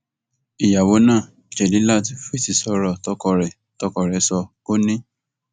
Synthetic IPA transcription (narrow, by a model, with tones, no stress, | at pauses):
i˨ja˨wo˨˦nãː˦˨ | d͡ʒɛ˨dĩ˨˦la˦˨ti˦fi˦˨si˨sɔ˧ɾɔ˧˨tɔ˧˦kɔ˧ɾɛ˨ | tɔ˧˦kɔ˨ɾɛ˨˦sɔ˧ko˦nĩ˦